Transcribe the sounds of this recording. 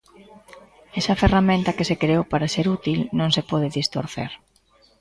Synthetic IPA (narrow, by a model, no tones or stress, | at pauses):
ɛsɐferamẽnt̪ɐkesekɾeowpaɾaseɾut̪ilnõŋsepɔðɪðist̪o̰ɾθḛɾ